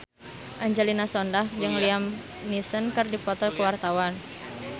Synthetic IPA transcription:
ʔaɲd͡ʒɛlinasɔndahd͡ʒɨŋliam | nisənkɨrdipɔt̪ɔkuwart̪awan

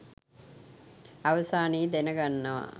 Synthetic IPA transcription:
aʋɐsaːniːd̪enəɡanːɐʋa̰

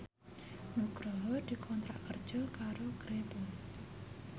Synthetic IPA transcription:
nuɡɾɔɦəd̪̥ikʰɔnt̪ɾa̰ʔkərd͡ʒəkaɾoɡ̥ɾebə

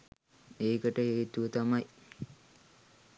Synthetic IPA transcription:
eːkəʈəɦeːt̪uʋət̪amaj

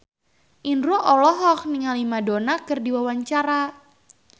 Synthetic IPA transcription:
ʔinɾoʔɔlɔɦɔk̚niŋalimadonakɨrdiwawaɲt͡ʃaɾa

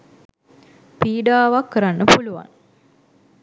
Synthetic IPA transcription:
piːɖaːʋakːəɾanːəpuluʋa̰ŋ

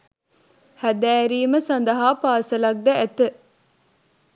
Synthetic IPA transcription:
hæd̪æːɾiːməsɐnd̪ɐɦaːpaːsɐlɐk̚d̪ɐæt̪ə

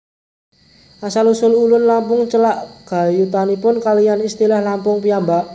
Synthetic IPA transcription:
ʔasalusʊlulʊnlampʊŋt͡ʃəlaʔɡ̥a̤jut̪anipʊnkalijanist̪ilahlampʊŋpijambaʔ

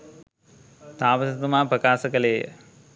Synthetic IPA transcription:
t̪aːʋɐsɐt̪umaːpɾɐkaːsɐkɐleːjɐ̰

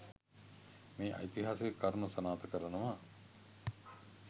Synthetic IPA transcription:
miːʔɐ̰jt̪iɦaseekːɐɾnusɐnaːt̪ɐkəɾɐnɐʋaː

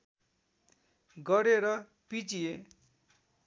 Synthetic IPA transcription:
ɡʌɾeɾʌ | pit͡sije

